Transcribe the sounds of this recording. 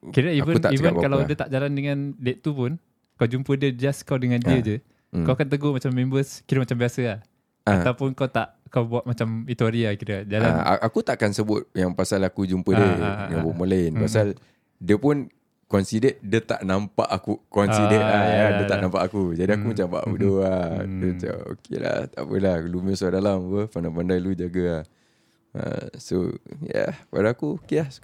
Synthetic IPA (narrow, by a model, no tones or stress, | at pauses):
kiɾəivənt̪aiənkalawdiət̪aʔd͡ʒalandəŋãndeʔt̪upʊn | kawd͡ʒumpədiəd͡ʒaskawdəŋãndiəd͡ʒu | kawakant̪əɡomat͡ʃamːẽmbəskiɾəmat͡ʃambiasəah | at̪awpʊnkawt̪aʔkawbuaʔmat͡ʃamit̪uaɾiakiɾəd͡ʒalaa̰ʔakut̪aʔkansəbʊt̪̚jaŋpasalakud͡ʒumpədəəabumolanpasal | diəpun | kɔnsidɛt̚dət̪aʔnampa̰ʔakukɔnsidɛʔlajadət̪aʔnãmpaʔakud͡ʒadiakumat͡ʃamba̰ʔṵdoadət͡ʃa̰o̰kʰḛla̰t̪a̰ʔpə̰lahkluməsadalamapəpandapandajlud͡ʒaɡaah | ə̰so̰ja̰pa̰daakuokelas